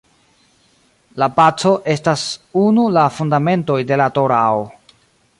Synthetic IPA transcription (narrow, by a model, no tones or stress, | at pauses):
lapat͡so̞ʔe̞stasunulafundame̞nto̞jde̞lato̞ɾao